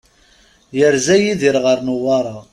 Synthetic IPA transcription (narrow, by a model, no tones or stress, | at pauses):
jəɾzæjiðiɾʁəɾˤnʊwɑɾˤɑ